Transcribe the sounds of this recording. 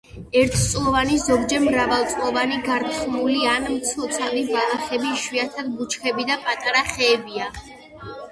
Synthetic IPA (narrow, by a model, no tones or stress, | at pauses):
ɛɾt̪ʰt̪sʼlˠɔvanizɔɡd͡ʒɛɾmɾavalˠt̪sʼlɔvaniɡaɾt̪χʼnulianmt̪sʰɔt̪sʰalivalˠaχɛbiʃwiat̪ʰad̪̚but͡ʃʰkʰɛbid̪apʼat̪ʼaɾaχɛːbia